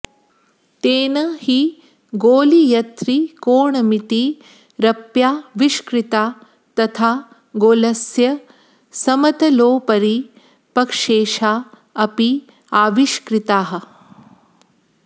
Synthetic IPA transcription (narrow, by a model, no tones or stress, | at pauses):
t̪eːnɐhi | ɡoːlijɐt̪ɾikoːɳɐmit̪i | ɾɐpjaːʋiʃkɾɪt̪aː | t̪ɐt̪ʰaː | ɡoːlɐsjɐ | sɐmɐt̪ɐloːpɐɾi | pɐkʂeːʃaː | ɐpi | aːʋiʃkɾit̪aːɦɐ̆